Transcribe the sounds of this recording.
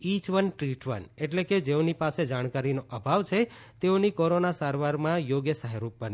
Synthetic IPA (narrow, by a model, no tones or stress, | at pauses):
it͡ʃʋənʈɾiʈʋə̰neʈleked͡ʒeonipased͡ʒaɽ̃kaɾinoʔəbʱaʋt͡ʃʰe | t̪eonikoɾonasaɾʋaɾmãjoɡjəsaɦaɾuk̚bəne